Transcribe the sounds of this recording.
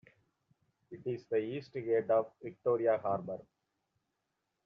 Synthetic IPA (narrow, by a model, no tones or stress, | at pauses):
ɪʈɪzd̪əiːsʈɡeːɖɔːʋʋɪk̚ʈoːɾijaɦaːɾbəɾ